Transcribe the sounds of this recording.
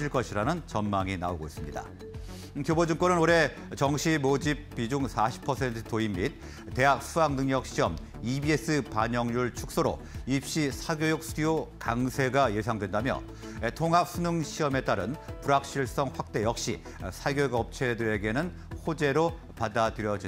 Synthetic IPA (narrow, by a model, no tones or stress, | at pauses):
iɭk͈ʌɕʰiɾanɯnt͡ɕʌnmaŋina̰oɡo̰is͈ɯmɲida̰ | kjobod͡ʑuŋk͈wʌnɯnoɾe̞ | t͡ɕʌŋɕʰimod͡ʑip̚p͈ːid͡ʑuŋsʰaɕʰi̥pʰʌsʰe̞ntʰɯ̥toimːit̚ | te̞ɦak̚s͈ʰuaŋnɯŋɲʌk̚ɕ͈ʰiʌm | ibie̞s͈ɯpaɲʌŋjuɭt͡ɕʰuk̚s͈oɾo̰ | ip̚ɕ͈isʰaɡjojok̚sʰujokaŋsʰe̞ɡaje̞sʰaŋdwe̞ndamjʌ̰ | tʰoŋɦap̚s͈ʰunɯŋɕʰiʌme̞t͈aɾɯnpuɾak̚ɕ͈iɭs͈ʌŋɸwak̚t͈e̞jʌk̚ɕ͈ḭ | sʰaɡjoɡʌp̚t͡ɕʰe̞dɯɾe̞ɡe̞nɯn | hod͡ʑe̞ɾo | padadɯɾjʌd͡ʑi